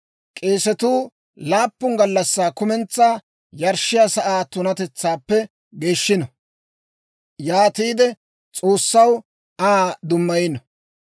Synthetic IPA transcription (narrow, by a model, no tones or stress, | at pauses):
kʼeːsɛt̪uː | laːpːʊŋɡɐlːɐsːaːkʊmɛnt͡sːaː | jɐɾʃːɪjasɐʔaːt̪ʊnɐt̪ɛt͡sːaːpːɛ | ɡe̞ːʃːɪnɔ | jaːt̪iːd̪ɛ | t͡sʼo̞ːsːɐw | aːd̪ʊmːɐjɪnɔ